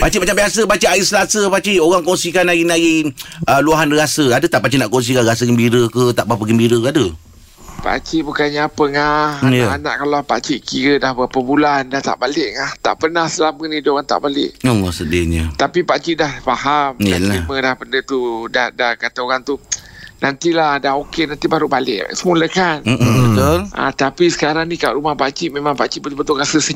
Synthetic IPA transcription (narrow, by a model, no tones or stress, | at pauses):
b̥at͡ʃiʔmat͡ʃambiasəbat͡ʃiʔaisəlasəpat͡ʃioɣaŋkɔŋsikanːaɣinaɣiəluaɦanɾiasəadət̪aʔpat͡ʃinaʔkɔŋs̬ikanras̬əɡəmbiɾəkət̪aʔbapəɡəmbiɾəkadə | pa̰ʔt͡ʃiʔbukanɲaːpəŋahjaana̰ʔkalopa̰t͡ʃiʔkiɾədahbəpəbulandaht̪a̰ʔbalɪʔŋaht̪a̰ʔpənahsəlamənidɣaŋt̪a̰ʔbalɪ̰ʔoasədiɲət̪apipaʔt͡ʃiʔdahfaɦamaimədahpəndət̪udahdahkat̪əoɣaŋt̪unant̪ilahdaɦokenant̪ibaɾubalɪ̰ʔsəmuləkan̩bət̪olʔa̰t̪apisə̥kaɾaŋnikaʔɾumahpat͡ʃiʔmẽmãŋpaʔt͡ʃiʔbət̪bət̪ulkasəsə